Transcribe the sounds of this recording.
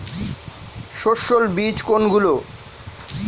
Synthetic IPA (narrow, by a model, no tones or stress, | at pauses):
ʃoʃolbit͡ɕkonɡulo